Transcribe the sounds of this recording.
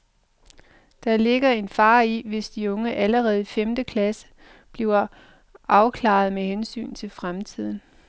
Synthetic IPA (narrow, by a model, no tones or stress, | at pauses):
d̥ɑ̈le̝ɡ̥ɐe̝nfɑ̈ːiʋe̝sd̥iɔ̽ŋəʔæləʁɛːð̞̩ˠifemd̥əkʰlæsə̥ | b̥liʊɐ | ʔɑ̈ʊkʰlɑ̰̈ð̞̩ˠmehensy̰ːn̩t͡sʰe̝lfʁamt͡sʰið̞̰ˠn̩